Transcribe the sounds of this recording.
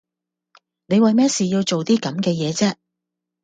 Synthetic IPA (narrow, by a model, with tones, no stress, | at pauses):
ne˨˧jwɐ˨jmɛː˥siː˨jiː˧wt͡ʃo˨wt̪iː˥kɐ˨˥mkɛː˧jɛː˨˧t͡sɛː˥